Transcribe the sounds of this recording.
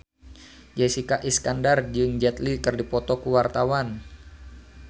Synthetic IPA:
d͡ʒɛsikaʔiskandard͡ʒɨŋd͡ʒɛt̪likɨrdipɔt̪ɔkuwart̪awan

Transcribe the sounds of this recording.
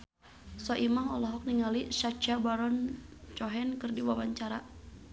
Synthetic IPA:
sɔʔimaɦɔlɔɦɔk̚niŋaliʃat͡ʃabaɾɔnt͡ʃɔɦɛnkɨrdiwawaɲt͡ʃaɾa

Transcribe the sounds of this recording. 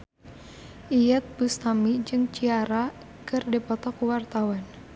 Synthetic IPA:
ʔijɛt̪̚bust̪amid͡ʒɨŋt͡ʃiaɾa | kɨrdepɔt̪ɔkuwart̪awan

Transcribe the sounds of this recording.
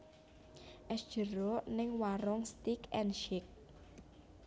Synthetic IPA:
ʔɛsd̥ʒ̥əɾɔnɪŋwaɾɔŋst̪ikɛnʃɪk̚

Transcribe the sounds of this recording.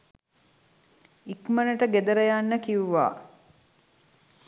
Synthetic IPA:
ikmənəʈəɡed̪əɾəjanːəkiuʋa̰ː

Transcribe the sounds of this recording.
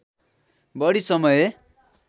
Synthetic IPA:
bʌɽisʌmʌje

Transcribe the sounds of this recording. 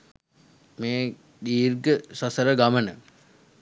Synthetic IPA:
meː | diːrɡəsasəɾəɡamənə̰

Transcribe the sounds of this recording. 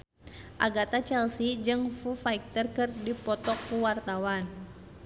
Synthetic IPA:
ʔa̰ɡat̪at͡ʃɛlsid͡ʒɨŋfufaik̚t̪ərkərdipɔt̪ɔkːuwart̪awan

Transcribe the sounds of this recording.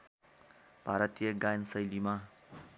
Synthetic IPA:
b̥ʱaɾʌt̪ijʌɡajnsʌjlima

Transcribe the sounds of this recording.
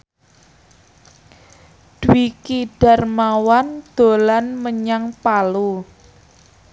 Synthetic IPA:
d̥wikiɖ̥a̤rmawand̪̥o̤lanməɲaŋpalu

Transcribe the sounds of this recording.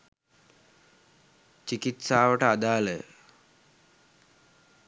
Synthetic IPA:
t͡ʃikit̪saːʋəʈəad̪aːlə

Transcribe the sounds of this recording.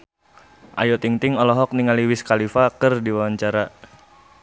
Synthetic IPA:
ʔa̰jɔt̪iŋt̪ɪŋɔlɔɦɔk̚niŋaliwɪskalifakɨrdiwawaɲt͡ʃaɾa

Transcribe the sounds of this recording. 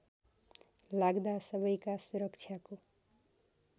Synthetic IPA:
laɡd̪asʌbʌjkasuɾʌkt͡ʃʰjako

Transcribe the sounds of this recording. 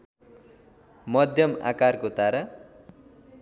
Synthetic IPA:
mʌd̪ʱjʌma̰karkot̪aɾa

